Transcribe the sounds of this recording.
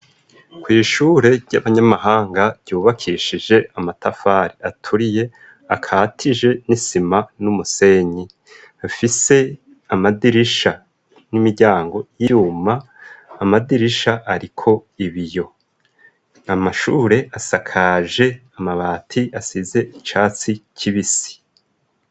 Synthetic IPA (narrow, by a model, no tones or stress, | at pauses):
kwiːʃuːɾe̞ɾɟaβaɲamaɦaːŋɡaɾɟ̥uːβakʰiʃid͡ʒe̞amatafaːɾiʔatʰuɾije̞ | akʰaːtʰiʒe̞nisimanumuse̞ɲi | afise̞ | amadiɾiʃa | nimiɟaːŋɡo̞jijuːmaː | madiɾiʃaʔaɾikʰo̞iβijo̞ | amaʃuːɾe̞ʔasakʰaʒe̞amaβaːtʰiasize̞ʔit͡ʃaːt͡sicʰiβisi̥